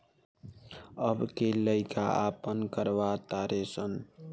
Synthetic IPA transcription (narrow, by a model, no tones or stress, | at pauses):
əbkeləɪkaapənkəɾʋat̪aɾesən